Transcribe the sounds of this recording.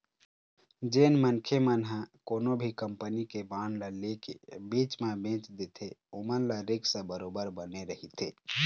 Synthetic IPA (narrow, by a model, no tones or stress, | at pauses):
d͡ʒeːnmənkʰemənɦãkoːnobʱikəmpənikebaːnlalekḛbiːt͡ʃmẽbẽːt͡ʃd̪et̪ʰeomənlaɾɪksə̃bəɾoːbəɾbəneɾəɦit̪ʰḛ